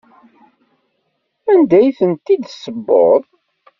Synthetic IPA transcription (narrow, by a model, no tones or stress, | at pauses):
ænd̪æjθənt̪id̪səbːo̰ðˤ